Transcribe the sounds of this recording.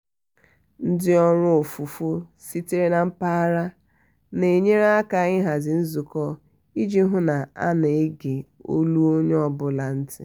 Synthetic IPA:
n̩˦dɪ˦ɔ˦ɾʊ˦o˨fu˨fo˦si˦te˦ɾe˦na˨m̩˦pa˦ɾa˦ | ne˨ɲe˦ɾa˦a˦ka˨˦ɣɪ˦ɦa˨zɪ˨n̩˦zu˨kɔ˦ | i˦d͡ʒi˦ɦʊ˦na˨a̰˦ne˨e˦ɡe˨o˦lu˦o˦ɲe˦ɔ˦bʊ˨la˨n̩˦tɪ̰˨

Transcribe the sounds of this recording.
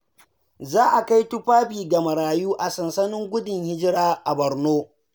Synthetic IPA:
zaː˦ʔa˨ka˦jtʊ˦ɸaː˦biː˨ɡɐ˨mɐ˨ɾaː˨juː˦ʔa˨sɐ˨nsɐ˦nɪ˦ŋɡʷʊ˦dɪ˨ŋhɪ˦d͡ʒɪ˦ɽaː˦ʔa˨bɐ˨rnoː˦

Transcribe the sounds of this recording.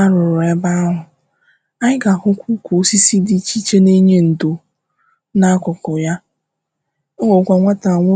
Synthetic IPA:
a˦ɾʊ˨ɾʊ˨e˦ba˦ɦʊ˨ | a˦ɪ˦ɡa˨ɦʊ˦kʷu˦kʷu˨o˦si˦si˦di˦t͡ʃi˦t͡ʃe˦ne˦ɲe˦n̩˨do˨ | na˦kʷʊ˨kʊ˨ja˦ | ŋo˨kʷa˨ŋʷa˦ta˨ŋʷʊ˦

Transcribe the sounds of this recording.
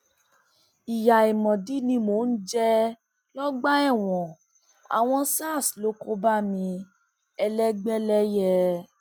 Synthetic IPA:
i˨ja˨i˨mɔ̃˨di˨˦nĩ˧mo˨˦˨n̩˦d͡ʒɛ˦ | lɔ˦ɡ͡ba˦ɛ˦˨w̃ɔ̃˨ | a̰˨w̃ɔ̃˧˦sa˦˨slo˨˦ko˦ba˦mĩ˧ | ɛ˧lɛ˦ɡ͡bɛ˦lɛ˦jɛ˧

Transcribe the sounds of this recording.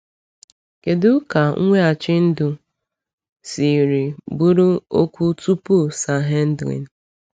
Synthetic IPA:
ke˨dʊ˦ka˨ŋ̩˦ŋʷe˦a˨t͡ʃɪ˦n̩˦dʊ˨ | si˨ɾi˨bu˦ɾu˦o˦kʷu˦tu˦pu˦˨sa˨ɦe˦n̩˦dɣḭ˨n̩˨˦

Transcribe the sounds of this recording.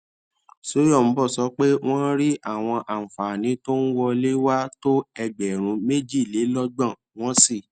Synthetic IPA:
so˦jɔ˦˨m̩˨˦bɔ˦˨sɔ˧˦k͡pe˦w̃ɔ̃˦ɾi˦ʔa˦˨w̃ɔ̃˧ʔa˨fa˨nĩ˨˦to˦n̩˦wɔ˧le˦wa˦to˦ɛ˧ɡ͡bɛ˨ɾ̃ũ˧˦me˦d͡ʒi˦˨le˨˦lɔ˦ɡ͡bã˦˨ | w̃ɔ̃˦si˦˨

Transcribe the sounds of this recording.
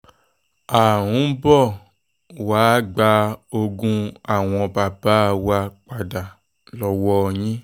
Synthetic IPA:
a˨ɾ̃ũ˨˦bɔ˦˨ | waː˨˦ɡ͡ba˧o˧ɡũ˧a˨w̃ɔ̃˧ba˨ba˦˨wa˧k͡pa˨da˨ | lɔ˧wɔ˧ɲĩ˦

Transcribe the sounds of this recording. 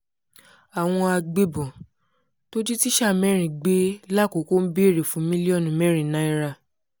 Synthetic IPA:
a˨w̃ɔ̃˧a˧ɡ͡be˧bɔ̃˨ | to˦d͡ʒi˦ti˦ʃa˦˨mɛ˦ɾ̃ĩ˨ɡ͡be˨˦la˦˨ko˨˦ko˦m̩˦bi˦˨ɾe˨fũ˨˦mĩ˦li˦ɔ˦˨nũ˨mɛ˦ɾ̃ĩ˨nã˨˦i˦ɾa˧

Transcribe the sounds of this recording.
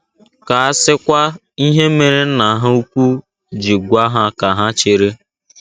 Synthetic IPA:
ka˨a˦sɪ˦kʷa˦ | i˦ɦe˦me˨ɾe˦n̩˦na˨ɦa˦u˦kʷu˦ | d͡ʒi˨ɡʷa˦ɦa˦ka˨ɦa˦t͡ʃe˨ɾe˦

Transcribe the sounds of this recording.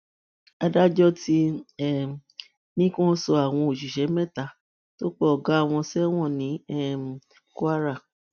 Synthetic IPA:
a˧da˦d͡ʒɔ˦ti˧˦ɛ˦˨ | nĩ˦kɔ̃˦sɔ˧a˨w̃ɔ̃˧o˨ʃ̬i˨ʃɛ˨˦mɛ̃˦˨ta˨˧˦ | to˦k͡pɔ˦ɔ˨ɡa˨˦˨w̃ɔ̃˧sɛ˦w̃ɔ̃˦˨nĩ˨˦ɛ˦˨ | ku˦a˦ɾa˦˨

